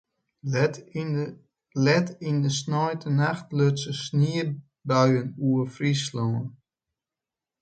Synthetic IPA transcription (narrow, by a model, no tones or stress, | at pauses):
lɛtindəsnɔjtʰənaxtløtsəsniə | bœɥənuəfrisloːən